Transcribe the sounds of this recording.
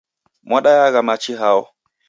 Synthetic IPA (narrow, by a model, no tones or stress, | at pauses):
mwaɗajaɡamat͡ʃːiɦawɔ